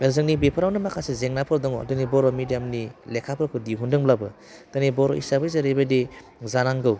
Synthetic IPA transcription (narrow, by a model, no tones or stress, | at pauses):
elzɯŋnibipʰɯɾawnɯmakʰasezeŋnapʰɯɾdɔŋɔdɯnibɔɾɔmidijamnilekʰapʰɯɾkʰɯdiɦundɯŋblabɯ | d̥ɯnibɔɾɔʔisabɯjzaɾebedi | zanaŋɡɯw